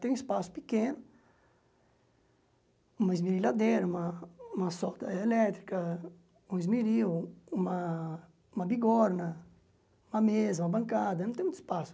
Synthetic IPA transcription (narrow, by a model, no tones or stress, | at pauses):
t̪ẽj̃ũispasʊ̥pikẽnʊ | ũmɐizmiɾilad̪eɾɐumɐumɐsɔt̪ɐelɛt̪ɾikɐ | ũizmiɾiwumɐ | umɐbiɡɔɾnɐ | umɐmezɐumɐbɐ̃ŋkad̪ɐnɐ̃t̪ẽũt̪i̥spasʊ̥